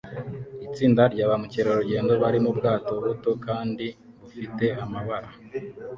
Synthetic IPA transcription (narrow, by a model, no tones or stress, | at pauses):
it͡siːndaɾɟaːβamuceɾoɾuɟe̞ːndo̞βaɾimubɡaːto̞βuto̞kaːndi | βufite̞ʔamaβaɾa